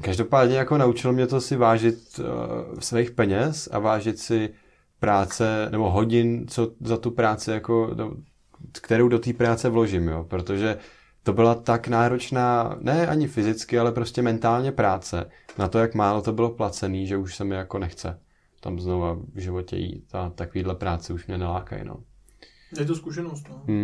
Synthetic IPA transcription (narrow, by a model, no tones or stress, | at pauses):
kaʒdo̞paːdɲɛjako̞naut͡ʃɪlomɲɛt̪osɪvaːʒɪt̪ | svɛjxpɛɲɛsa̰vaːʒɪt̪sɪ | pɾaːt͡sɛnɛbo̞ɦo̞ɟɪnt͡so̞zat̪upɾaːt͡sɪjako̞n̰o̰ | kt̪ɛɾowdo̞t̪iːpɾaːt͡sɛvlo̞ʒɪmjoːpɾot̪o̞ʒɛ | t̪o̞bɪlat̪aknaːɾo̞t͡ʃnaːnɛʔaɲɪfɪzɪt͡skɪalɛpɾo̞scɛmɛnt̪aːlɲɛpɾaːt͡sɛ̰nat̪o̞jakmaːlo̞t̪o̞bɪlo̞plat͡sɛniːʒɛuʃsɛmɪjako̞nɛxt͡sɛ̰ | t̪amzno̞vavʒɪvo̞cɛ̰jḭːt̪at̪akoviːdlɛpɾaːt͡sɛuʃmɲɛnɛlaːka̰j̰no̰ | jɛt̪̬oskuʃɛnost̪nom̩